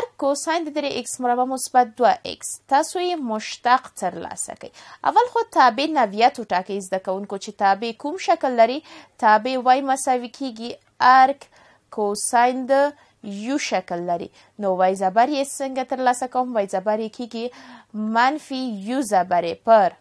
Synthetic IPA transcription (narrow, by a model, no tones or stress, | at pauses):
aɾkːosajnd̪əd̪ɾeʔɪksmʊɾabamʊsbat̪̚d̪waʔɪ̰kst̪ɑsojemʊʃt̪aqt̪əɾlɑ̰sa̰ka̰ja̰walxot̪ɑbenawjat̪oʈɑkajzd̪akawuŋkot͡ʃet̪ɑbekumʃaklːaɾit̪ɑbewajmasawikʰeɡi | aɾk | kosɑjnd̪ə | juʃaklːaɾḭ | nowajzabaɾjesəŋɡat̪əɾlɑsakawmwajzabaɾjekʰeɡimanfijuzabaɾepəɾ